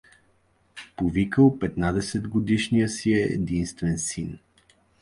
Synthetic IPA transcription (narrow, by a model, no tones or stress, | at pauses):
povikəlˠpɛt̪nad̪ɛsɛd̪ɡod̪iʃnijəsiɛɛ̰d̪inst̪vɛnsin